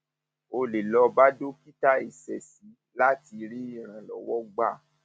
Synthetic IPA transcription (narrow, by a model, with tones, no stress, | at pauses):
o˧le˨lɔ˧ba˦do˦ki˦ta˦e˨sɛ˨si˨˦ | la˦ti˧ɾi˦i˦˨ɾ̃ã˨lɔ̰˨˦wɔ˦ɡ͡ba˦˨